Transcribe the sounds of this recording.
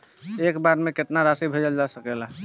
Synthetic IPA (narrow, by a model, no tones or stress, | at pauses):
ekbaɾmeket̪naɾasibʱed͡ʒəld͡ʒasəkela